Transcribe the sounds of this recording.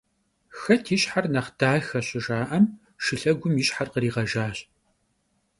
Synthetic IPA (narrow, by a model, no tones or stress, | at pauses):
xɐtʰɪʃħarnɐχd̥aːxɐɕɪʒaːʔɐm | ʃɨɬɐɡʷʊmjɪʃħarqəɾiːʁɐʒaːɕʼ